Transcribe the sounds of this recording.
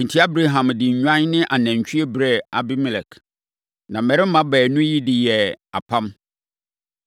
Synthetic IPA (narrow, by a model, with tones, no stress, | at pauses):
n̩˨tʰi˦a˦bɾe˦ɦã˨mdɪ˨ɲ˨ɲᶣã˦nnɪ̃˦ʔa˨næ̃˨ɲ˨t͡ɕʰᶣy˦e˦bɾɛ˦a˨bɪ˦mɪ˨lɛ˨k | nã˨mmɛ˨ɾɪ˦m̩˦mã˦bɛː˨nʊ̃˦ji˦dɪ˨jɛ˨a̰˨pʰã˦m